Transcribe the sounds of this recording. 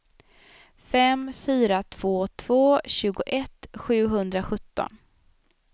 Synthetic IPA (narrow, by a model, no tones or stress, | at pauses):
fɛmfyːɾat̪ʰv̥oːt̪ʰv̥oːɕʉ̟ːɡʊʔɛt̪ɧʉ̟ːɦɵnd̪ɾaɧɵt̪ːɔ̰n